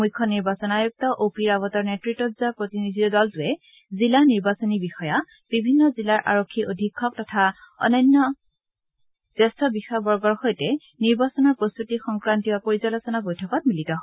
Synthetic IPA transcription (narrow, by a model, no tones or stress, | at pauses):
mujkʰːɔniɹbasɔnajuk̚tɔʔopiɹaβɔtɔɹnɛtɹitɔtzapɹotinidʱitɔdɔltʊɛ | zilaniɹbasonibixɔja | b̥ibʱinːɔzilaɹʔa̰ɹokʰːiʔodʱikʰːɔk̚tɔtʰaɔ̰nɔnːɔ | z̥ɛstʰɔbixɔjabɔɹɡɔɹxɔjtɛ | niɹbasɔnɔɹpɹostɹutixɔŋkɹantibapoɹizɔlɔsɔnabojtʰɔkɔt̚militɔ